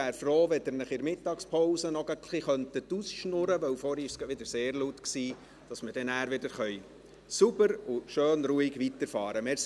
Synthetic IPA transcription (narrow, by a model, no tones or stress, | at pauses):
æːɾfɾoːʋɛd̥̪əɾnəχɪɾmɪt̪ːɑkspʰɔwsənɔɡəkʰliχœnt̪ət̪usʃnʊɾəʋœwfɔɾiɪʃsʋɪd̪əɾseːɾlut̪ksiː | d̥ɑsməd̥ɛnæːɾʋɪdəɾχœʏ | subəɾʊʃøːnɾuːɪɡʋit̪əɾfɑːɾəmɛs